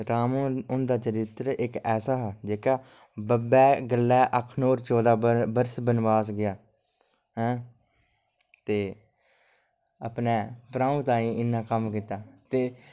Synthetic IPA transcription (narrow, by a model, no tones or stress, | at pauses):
ɾaːmõʊnd̪aːt͡ʃəɾɪt̪ɾɪkɛːsaːɦɛd͡ʒeːkaː | bəbɛːɡəlːɛːʔəkʰnoːɾt͡ʃɔːd̪aːbəɾsbənbaːsɡɪjaː | ɦɛ̃ː | t̪eː | əpnɛːpɾãːũːt̪ãːĩːɪnːãːkəmkiːt̪aːt̪eː